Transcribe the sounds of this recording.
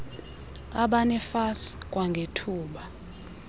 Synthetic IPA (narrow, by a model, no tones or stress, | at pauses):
aɓanɛfasi̥kʼwaŋɡʱetʰuːɓa